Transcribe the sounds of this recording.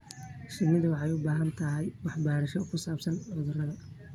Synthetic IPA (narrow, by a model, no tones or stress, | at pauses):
ʃɪɡnɪðʊwɑħɑjʊbaːɦɐnt̪ʰɐɦɛjwɑħbaːɾɐʃɔkʰʊsaːbsɐnʕʊðʊrɐðɐ